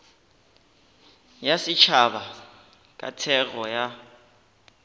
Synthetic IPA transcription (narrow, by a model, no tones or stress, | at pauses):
jasɪt͡ʃʰaβa | kʼa̰tʰɛɣɔja